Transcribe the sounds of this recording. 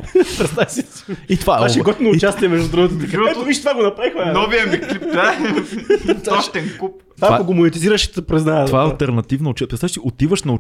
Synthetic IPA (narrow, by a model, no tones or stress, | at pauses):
pɾɛsɛsɛsit̪ovaɛaʃɛɡɔt̪vinoʊt͡ʃast̪iɛmɛʒd̪ʊd̪ɾuɡət̪miɡɛt̪oviʃt̪ovaɡonɐpɾavixoanɔvijəmilip̚t̪a | t̪ɔʃt̪ɛnkupt̪vaaoɡomonɛt̪iziɾəʃpɾɛznaovaɛɐlˠt̪ɛɾnɐt̪ivnɐʊt͡ʃɛpɾɛsaʃt̪iot̪ivəʃnɐʊ